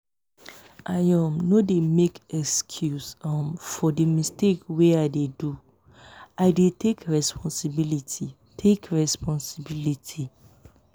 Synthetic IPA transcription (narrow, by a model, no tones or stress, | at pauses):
ajãmnõdemekɛkskʰjusãmfɔdimistekweaɪdedu | aɪdetʰekɹɛspʰɔ̃nsibilitʰi | tʰekɹɛspʰɔ̃nsibilitʰi